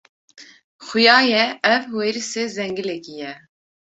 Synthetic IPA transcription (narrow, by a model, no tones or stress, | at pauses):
xʊjɑːjɛɛvweɾisezɛŋɡilɛkijɛ